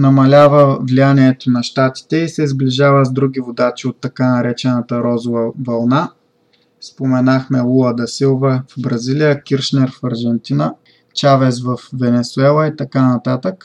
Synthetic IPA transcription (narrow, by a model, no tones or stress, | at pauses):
nɐmɐlʲavəvlijaniɛt̪onɐʃt̪at̪i̥t̪ɛisɛzbliʒavəzd̪ɾuɡivod̪at͡ʃiot̪ːɐkanɐɾɛt͡ʃɛnət̪əɾɔzʊvəvɐlˠna | spomɛnaxmɛlˠulˠɐd̪ɐsilˠvəvbɾɐzilijəkʲiɾʃnɛɾfɐɾʒɛnt̪inə | t͡ʃavɛzvɐfvɛnɛsuɛlˠɐit̪ɐkanɐt̪at̪ək